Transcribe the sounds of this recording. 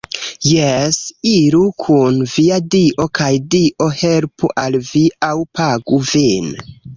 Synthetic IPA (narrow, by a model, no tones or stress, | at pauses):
jesiɾukʰunviadiʔo̞kʰajdiʔo̞helpuʔalviawpaɡuvin